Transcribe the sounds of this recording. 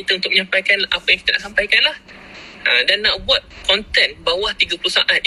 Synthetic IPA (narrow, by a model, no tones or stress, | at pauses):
it̪aunt̪ʊk̚məɲãmpajkanapajaŋki̥t̪ana̰ʔsampajkanlah | ʔadanːaʔbuat̪̚kɔnt̪ɛnbawaht̪iɡapuluhsaʔat̪̚